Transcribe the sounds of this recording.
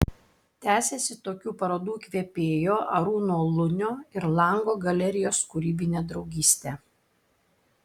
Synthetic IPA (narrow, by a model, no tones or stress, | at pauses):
t̪ʲæːsʲesʲɪt̪oːkʲuːpɐɾoːd̪uːkʲʋʲeɛpʲeːjoːʔɐɾuːnoːlˠʊnʲoːɪɾlˠɐˑŋɡoːɡɐlʲɛɾʲɪjoːskʊɾʲiːbʲɪnʲeːd̪ɾɒʊɡʲiːsʲt̪ʲe